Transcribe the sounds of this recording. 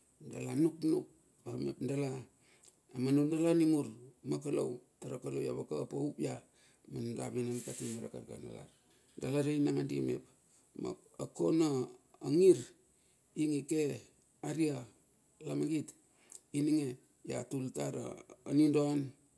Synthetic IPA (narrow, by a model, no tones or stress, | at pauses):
dalanuknuk̚ | amḛpndala | amanundalanimuɾmakalo̰wtaɾakalowja̰βakapaupja | manda̰binankatimaɾa̰kaɾɡa̰na̰la̰ɾ | dalaɾainaŋadḭmḛp̚ | ma̰ | akonaːŋiɾ | iŋeke | aɾia | lamaɡit | iniŋe | ja̰tultaɾa̰anindon